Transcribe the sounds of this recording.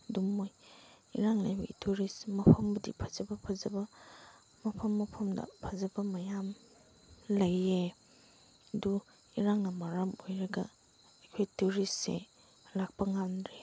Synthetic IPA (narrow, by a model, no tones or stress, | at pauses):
dumːoj | iɾaŋlajbɐ̰itʰuɾismɐpʰɐmbɐdḭpʰazɐbɐpʰazɐbɐ | mɐpʰɐmːɐpʰɐmdɐ̰pʰɐzɐbɐmɐjam | lɐje | du | iɾaŋnɐmɐɾɐmojɾɐɡɐ̰ | ekʰojtuɾisḛ | lak̚pɐŋanɾe